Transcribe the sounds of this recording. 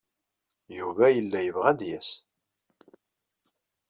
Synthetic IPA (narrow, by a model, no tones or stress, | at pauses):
juvæjəlːæjəvʁæd̪jæs